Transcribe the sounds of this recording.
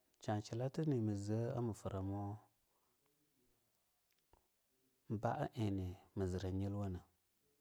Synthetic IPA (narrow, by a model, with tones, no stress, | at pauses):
t͡ʃa˨t͡ʃi˨la˦tə˦ni˨mə˨zə˨˦a̰˦mə˨fə˨ɾʔa˨mo˦ | m̩˦ba̰˦ʔa̰˦ʔe˨ni˨mə˨zə˨ɾa˨ɲi˦lwa˦nə˨